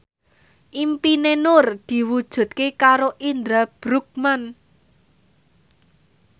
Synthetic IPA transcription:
ʔimpinenʊrd̪̥i̤wud̥ʒ̥ṳt̪̚kekaɾoʔind̪ɾab̥ɾuk̚man

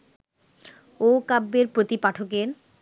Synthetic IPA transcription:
okabːeɾpɾot̪ipaʈʰokeɾ

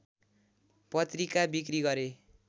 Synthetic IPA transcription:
pʌt̪rikabikriɡʌɾe

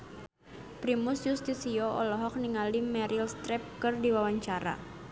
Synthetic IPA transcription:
pɾimusjust̪isiɔɔlɔɦɔk̚niŋalimɛɾilst̪ɾɛp̚kɨrdiwawaɲt͡ʃaɾa̰

